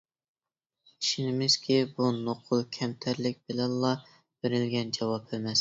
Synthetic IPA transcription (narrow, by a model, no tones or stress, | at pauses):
iʃinɪmɪz̥kʲibunoqʰʊlˠkʲʰɛmt̪ʰæɾlɪk̚ʲbɪlɛnlɑ | b̥eɾɪlɡʲɛnd͡ʒɑwɑpemɛs